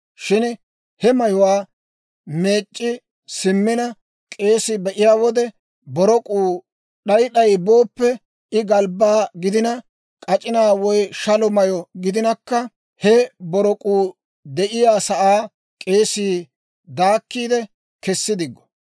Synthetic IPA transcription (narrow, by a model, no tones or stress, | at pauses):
ʃɪn | hɛmɐjɔwaː | me̞ːt͡ʃʼːɪ | sɪmːɪnɐ | kʼe̞ːsɪbɛʔɪjaːwɔd̪ɛ | bɔɾɔkʼuː | ɗɐjɗɐjbo̞ːpːɛ | ɪɡɐlbaːɡɪd̪ɪnɐ | kʼɐt͡ʃʼɪnaːwɔjʃɐlɔmɐjɔɡɪd̪ɪnɐkːɐ | hɛbɔɾɔkʼuː | d̪ɛʔɪjaːsɐʔaː | kʼe̞ːsiː | d̪aːkːiːd̪ɛ | kɛsːɪd̪ɪɡːɔ̥